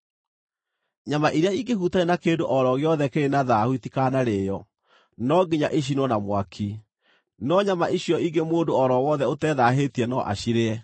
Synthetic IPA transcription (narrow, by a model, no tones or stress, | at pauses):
ɲamaʔiɾjaiɡehutaenakeːndoʔɔɾɔɣjɔðɛkeɾenaðahuitikanaɾeːjɔ | nɔɡiɲaʔeɕ̬inwɔnamwakʰi | nɔɲamaʔiɕjɔiɡemoːdoɔɾɔwɔðɛotɛðaɦetiɛnɔʔa̰ɕiɾeɛ